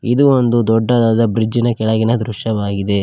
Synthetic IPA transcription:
id̪uond̪ud̪ɔɖːɐd̪aːd̪ɐbɾid͡ʒːinɐkɛɭɐɡinɐd̪ɾuʃɐʋaːɡid̪e̞

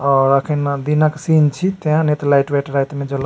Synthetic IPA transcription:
ɔɾakʰind̪inaksint͡ʃʰit̪eɦãnet̪lajʈʋeʈɾajt̪mẽd͡ʒol

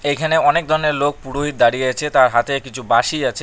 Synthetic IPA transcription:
ejkʰaneɔnek̚d̪ʱɔɾneɾlok̚puɽoɦit̪̚d̪aɽijeet͡ɕʰet̪aɾɦat̪ekit͡ɕʰubaʃiat͡ɕʰe

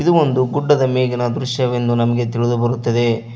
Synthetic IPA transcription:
id̪uo̞nd̪uɡuɖːɐd̪ɐmeːɡɐnɐd̪ɾuʃjɐʋe̞nd̪unɐmɐɡe̞t̪iɭid̪ubɐɾut̪ːɐd̪e̞

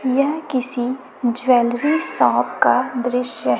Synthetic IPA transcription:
jɐɦkɪsi | d͡ʒwɛːlɾisɔ̃ːpkad̪ɾɪʃjəɦ

